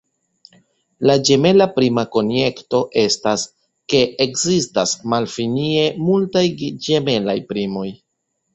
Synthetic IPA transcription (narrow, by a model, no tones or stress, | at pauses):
lad͡ʒe̞me̞lapɾimako̞nje̞kto̞ʔe̞stas | ke̞ʔːkzistasmalfinie̞multajd͡ʒe̞me̞la̰jpɾimo̞j